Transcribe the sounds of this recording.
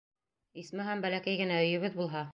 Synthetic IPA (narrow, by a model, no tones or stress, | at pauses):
ismɘɦæmbælækæjɡɘ̆næɵ̆jɵ̆βɘðbulˠɦɑ